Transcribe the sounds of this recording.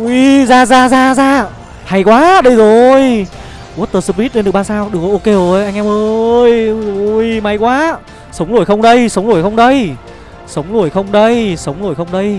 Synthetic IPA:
ʔi˧zaː˧˩zaː˧zaː˧zaː˧ | ha˧˩jkwaː˨˦ɗə˧jzo˨˩j | u˨˦˥t̪̚əː˧˩sɨ˧pli˦˥t̚ɗe˧nɨ˨˩ɓaː˧nsaː˧wɗɨ˨˩kʔo˧ke˧˩˨jʔa˧ŋʔɛ˧mʔə˧jzo˨˩jma˨˦jkwaː˨˦ | sə˨˦wŋ͡mzo˧˩əjxə˧wŋ͡mɗə˧jsə˨˦wŋ͡mlu˧˩jxə˧wŋ͡mɗə˧j | sə˨˦wŋ͡mlu˧˩əjxə˧wŋ͡mɗə˧jsə˨˦wŋ͡mlo˧˩jxə˧wŋ͡mɗə˧j

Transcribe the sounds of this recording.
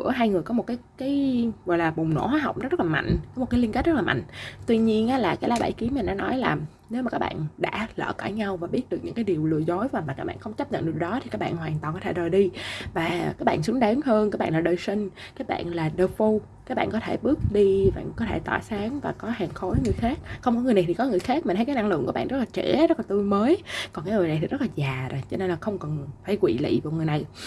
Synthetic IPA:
əɦaː˧jŋɨ˨˩əjkɔ˨˦mo˨˩t̚kaː˨˦jkaː˨˦jɣɔ̰˨˩jlaː˨˩ɓʊ˨˩ŋ͡mno̰˧˥˩hɦwaː˨˦jɦa˨˩wk͡pŋ͡mzə˦˥ə˦˥laː˨˩ma̰˧˨ŋ̟kɔ˨˦o˨˩t̚kaː˨˦li˧kt̚z̥ə˦˥laː˨˩ma̰˧˨ŋ̟t̪wi˧ɲi˧ənʔaː˨˦˥laː˨˩kaː˨˦jlaː˨˦ɓa̰˧˩jki˨˦əma˨˩nɗa̰ː˧˥˦nɔ˨˦jlaː˨˩ | ne˨˦wma˨˩kaː˦˥kɓa̰ː˧˨nɗa̰ː˧˥lə̰ː˧˨ka̰ː˧˩jɲa˧wvaː˨˩ɓi˦˥ət̚ɗɨ˨˩k̚ɲɨ̰˧˥ŋkaː˨˦jɗi˨˩wlɨ̰˧˩əjzo˨˦jaː˨˩maː˨˩kaː˦˥ɓa̰ː˧˨xə˧wŋ͡mt͡ɕa˦˥p̚ɲə̰˧˨nɗ̚ɗɔ˨˦t̪i˨kaː˦˥k̚ɓa̰ː˧˨nhwaː˨˩nt̪wa˨˩nkɔ˨˦t̪ʰe˧˩ɗəː˨˩jɗi˧vaː˨˩kaː˦˥k̚ɓa̰ː˧˨nsɨ˨˦əŋɗaː˨˦ŋhəː˧nkaː˦˥k̚ɓaː˧˨laː˨˩ɗəː˨˩jsi˧ŋ̟ | kkaː˨˦˥k̚ɓa̰ː˧˨nlaː˨˩ɗəː˧˩fo˧ | kaː˨˦˥k̚ɓa̰ː˧˨nkɔ˨˦t̪ʰe˧˩ɓɨ˦˥ək̚ɗi˧va̰ː˧˨ŋkɔ˨˦t̪ʰe˧˩t̪a̰ː˧˩saː˨˦ŋvaː˨˩kɔ˨˦haː˨˩ŋxo˨˦jŋɨ˨˩əjxaː˦˥k̚xə˧wŋ͡mkɔ˨˦ŋɨ˨˩əjna˨˩t̪ʰi˨˩kɔ˨˦ŋɨ˨˩əjxaː˦˥k̚ma˨˩ə˨˦jkːʔa˧ŋlɨ̰˧˨ŋkɓa̰˧˨˧zə˦˥laː˨˩t͡ɕɛ̰˧˩zə˦˥t̚la˨t̪u˧jməː˨˦jkɔ˨nkaː˨˦jŋɨ˨˩əjn˨˩t̪ʰi˨˩zə˦˥laː˨˩zaː˨˩zo˨˩jt͡ɕɔ˧ne˧nlaː˨˩xə˧wŋ͡mkə˨˩nfaː˧˩jkwḭ˧˨lḭ˧˨vaː˨˩wŋ˨˩əjna˨˩j

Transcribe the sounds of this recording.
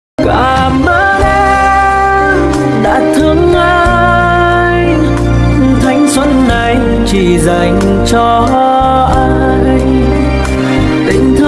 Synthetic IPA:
kaaː˧˩ | mɓə˧˥ʔɛ˧ | ɗa̰ː˧˥t̪ʰɨ˧˦əŋʔa˧ | j | t̪ʰa˨˦jŋ̟swə˧˥nːa˨˩j | t͡ɕi˧˨˩za˨˩jŋ̟ | t͡ɕɔ˧ | ʔaː˧j | t̪ï˧˨˩ŋ̟t̪ʰɨ˧

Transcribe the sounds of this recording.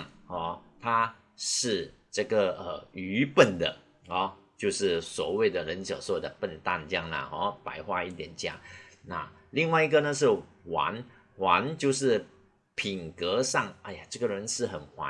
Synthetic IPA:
ŋhɔ˥˧˩t̪ʰa˥ | ʂɻ̩˥˧ | ʈ͡ʂə˥˩ɡə˩ə˩y˧˥pə˥˩nd̪ə̰˩ | hɔ˥˧˦t͡ɕjo˥˧ʊʂɻ̩˥˩swɔ̰˨˩we˥˩ɪd̪ə˩ɻə˧˥nt͡ɕjɑ̰˨˩ʊswɔ˥˩d̪ə˩pə˥˧nt̪a˥˧nt͡ɕjɑ˥˩ŋnə̰˩xɔ˥˧˩pa̰˧˥ɪxwa˥˧i˥˩t̪jɛ˨˩nt͡ɕjɑ̰˥˩ŋna̰˥˧ | li˥˧ŋwa˥˧ɪi˧˥ɡə˨nə˨ʂ̬ɻ̩˥˩ | wa̰˧˥n | wa˧˥nt͡ɕjo˥˧ʊʂɻ̩˥˩ | pʰi˨˩ŋkə˧˥ʂɑ˥˩ŋa˧ja˨˩ʈ͡ʂɤ˥˩ɡə˨ɻə˧˦˥nʂɻ̩˥˩xə˨˩nxwa̰˧˦˥

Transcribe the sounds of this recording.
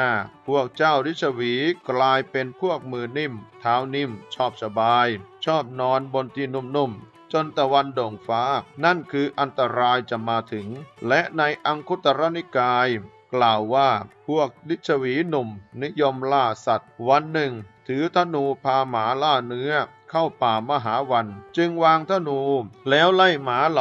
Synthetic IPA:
aː˥˩pʰu˥˩ək̚t͡ɕaː˥˩wli˦˥t̪̚t͡ɕʰa˧wiː˩˦klaː˧jpe˧npʰu˥˩ək̚mɯː˧ni˥˩mt̪ʰaː˩˦˥wni˥˩mt͡ɕʰɔː˥˩p̚sa˧baː˧jt͡ɕʰɔː˥˩p̚nɔː˧nbo˧nt̪iː˧˩nu˧˩mnu˧˥˩m | t͡ɕo˧nt̪a˧wa˧ndo˨˩ŋfaː˦˥na˥˩nkʰɯː˧ʔa˧nt̪a˧ɾaː˧jt͡ɕa˨˩maː˧t̪ʰɯ˩˦ŋlɛ˦˥ʔna˧jʔa˧ŋkʰu˦˥t̪ːa˧ɾa˦˥ni˦˥kaː˧j | klaː˨˩wːaː˥˩pʰu˥˩ək̚li˦˥t̪̚t͡ɕʰa˧wiː˩˦nu˨˩mni˦˥jo˧mlaː˥˩sa˨˩t̪̚wa˧nːɯ˨˩ŋt̪ʰɯː˩˦t̪ʰa˦˧˥nuː˧pʰaː˧maː˩˦laː˥˩nɯ˦˥ɐ | kʰa˥˩wpaː˨˩ma˧ɦaː˩˦wa˧nt͡ɕɯ˧ŋwaː˧ŋt̪ʰa˧˥˨nuː˧lɛː˦˥wla˥˩jmaː˩˦l

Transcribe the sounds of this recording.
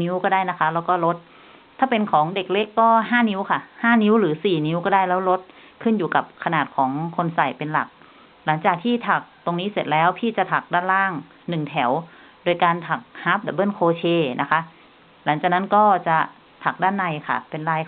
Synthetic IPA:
ni˧˦˥wkɔː˥˩daː˥˩jna˦˥kʰa˦˥lɛː˦˥wkɔː˥˩lo˦˥t̪̚ʰː | aː˥˩pe˧nkʰɔː˩˦ŋde˨˩k̚le˦˥kːɔː˥˩ɦaː˥˩˨ni˦˥wkʰa˧˩haː˥˩ni˧˦˥wlɯː˩˦siː˨˩ni˦˥wkɔː˥˩daː˥˩jlɛː˦˥wlo˦˥t̪̚kʰɯ˥˩njuː˨˩ka˨˩p̚kʰa˧naː˨˩t̪̚kʰɔː˩˦ŋkʰo˧nsa˨˩jpe˧nla̰˨˩k̚ | la˩˦ŋt͡ɕaː˨˩k̚t̪ʰiː˥˩t̪ʰa˨˩k̚t̪o˧ŋniː˦˥˨se˨˩t̪̚lɛː˦˥wpʰiː˥˩t͡ɕa˨˩t̪ʰa˨˩k̚daː˥˩˨nlaː˥˩ŋ | nɯ˨˩ŋt̪ʰɛ˩˦w | doː˧jkaː˧nt̪ʰa˨˩k̚ha˦˥p̚lɛ˨˩bɤː˥˩nkʰoː˧t͡ɕʰeː˧nʔa˦˥kʰa˦˥ʔ | la˩˦ŋt͡ɕaː˨˩k̚na˦˥nkɔː˥˩t͡ɕa˨˩ | t̪ʰa˨˩k̚daː˥˩nːa˧˩jkʰa̰˧˩pe˧nlaː˧˩j

